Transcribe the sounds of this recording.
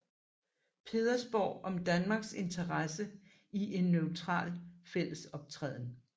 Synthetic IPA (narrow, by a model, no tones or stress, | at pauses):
pʰe̝ːðˠɐsb̥ɒ̰ʊ̰ɒ̽md̥ænmɑ̈ːɡ̥se̝nt͡sʰɐʁɑsə | iʔe̝nːøʊt͡sʰʁɑ̰̈ːlfel̰əsɒ̽b̥̚t͡sʰʁɛ̰ðˠn